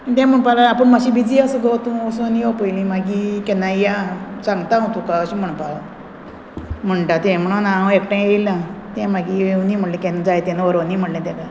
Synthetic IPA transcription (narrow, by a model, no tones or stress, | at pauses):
ət̪ɛ̃m̤əɳpalaapəɳmaɕibid͡ziəsəɡət̪ũəsonijɔpəjlĩmaɡikɛnajasaŋɡt̪ãɦot̪ũkaəɕĩm̤əɳpala | m̤əɳʈat̪ɛ̃m̤əɽ̃unãekʈãejlat̪ɛ̃maɡinĩm̤əɽlĩkɛ̃nad͡zajt̪ɛ̃nʋəɾonĩm̤əɽlɛ̃t̪ɛka